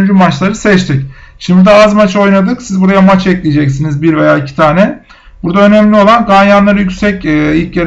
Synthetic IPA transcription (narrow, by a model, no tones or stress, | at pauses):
nd͡ʒymat͡ʃlˠaɾɯsɛt͡ʃt̪ʰicʃimd̪id̪aazmat͡ʃo̞jnad̪ɯksizbuɾajamat͡ʃɛclʲijd͡ʒɛcsinizbiɾvejaːicʰi̥t̪ʰaːnɛ | buɾd̪aø̞nɛmlʲio̞lˠankʰanjanlˠaɾɯjycʲsɛcːilʲcjeɾ